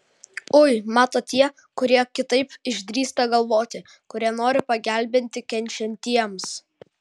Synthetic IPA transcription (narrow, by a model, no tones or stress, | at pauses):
ʊɪmɑːt̪oːt̪ʲiɛ | kʊɾʲiɛkʲɪt̪ɐɪpɪʒʲd̪ʲɾʲiːst̪ɐɡɐlˠʋoːt̪ʲɪ | kʊɾʲiɛnoːɾʲɪpɐɡʲæˑlʲbʲɪnʲt̪ʲɪkʲɛnʲt͡ʃʲɛnʲt̪ʲiɛms